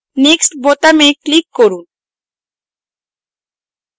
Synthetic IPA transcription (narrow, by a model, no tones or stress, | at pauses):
neksʈbot̪amejklikːoɾun